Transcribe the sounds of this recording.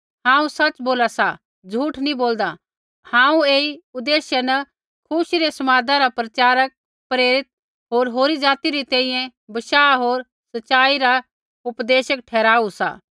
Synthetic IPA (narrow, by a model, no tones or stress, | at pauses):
hãːũsɐt͡ʃboːlasa | d͡zʱuːʈʰnĩboːld̪a | hãːũeːiʊd̪eːʃɛnɐ | kʰʊʃiɾesɐmaːd̪ãɾapɾɐt͡ʃaːɾək̚ | pɾeːɾɪt̪̚ | ɦoːɾɦoːɾid͡ʒaːt̪iɾit̪ɛ̃ːĩjɛ̃bɐʃaːɦoːɾ | sɐt͡ʃaːiɾa | ʊpd̪eːʃək̚ʈʰɛːɾaːusa̰ː